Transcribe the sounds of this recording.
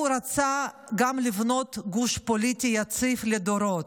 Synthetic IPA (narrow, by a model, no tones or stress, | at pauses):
ɾat͡sa | ɡamlivno̞t̪ɡuʃpolit̪ʲijat͡sifled̪oɾot̪